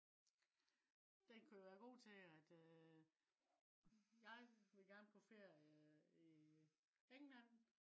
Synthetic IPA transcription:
d̥enkʰujoʋæːɐɡ̥o̝̰ːt͡sʰe̝æd̥ | jɑ̈ɪʋe̝lɡ̥æɐnkʰofe̝ɐ | i | eŋlæn̰

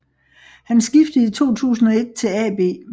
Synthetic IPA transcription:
hænsɡ̥ifd̥əit͡sʰo̝̰ːt͡sʰṵːs̬n̩ɒ̽e̝d̥̚t͡sʰe̝lɛ̰b̥e̝̰ː

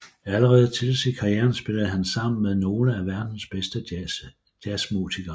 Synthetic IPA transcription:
æləʁɛːð̩ˠt͡sʰe̝lsḭkʰɑ̈jeːɐnsb̥e̝ləð̩ˠɦænsɑ̈m̰n̩meðˠno̝ːləæʋæɐd̥n̩sb̥esd̥ə | d̥æsmṵsʰiɡ̥ɐː

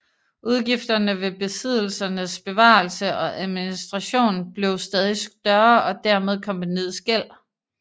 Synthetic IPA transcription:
ʔuð̞ˠɡ̥ifd̥ɐnəʋe̝b̥e̝sið̞̰ˠl̩sɐnəsb̥e̝ʋɑ̰̈ːlsəʔɒ̽ʔæðˠminisd̥ʁɑ̈ɕo̝̰ːnb̥le̝ʊsd̥ɛːð̞ˠisd̥ɶɐɒ̽d̥æɐmeð̞ˠkʰɒ̽mb̥æniðˠsɡ̥el̰

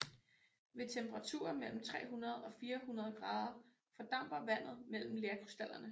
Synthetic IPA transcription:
ʋe̝t͡sʰemb̥ʰəʁɑ̈t͡sʰṵːɐmel̰m̩t͡sʰʁɛ̰ːɦunɐð̞̩ˠɒ̽fiːɐhunɐð̞ˠɡ̥ʁɑ̈ːð̞ˠɐ | fɒ̽d̥ɑ̈m̰b̥ɐʋæn̰ð̞̩ˠmel̰m̩leːɐkʰʁusd̥æl̰ɐnə

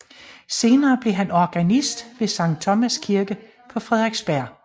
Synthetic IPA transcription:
se̝ːnɐːb̥le̝ɦænɒɡ̥ænisd̥ʋe̝sɑ̈ŋ̰d̥̚t͡sʰɒ̽mæskʰiɐɡ̥ə | pʰɒ̽fʁɛð̞ˠʁeɡ̥sb̥æɐ̰

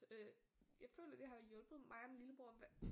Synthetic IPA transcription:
ø | jɑ̈ɪfø̰ːlɐd̥e̝ɦɑ̈ʋijɔ̽lb̥ð̩ˠmɑ̈ɪɒminliləb̥o̝ɐ̰ʋ

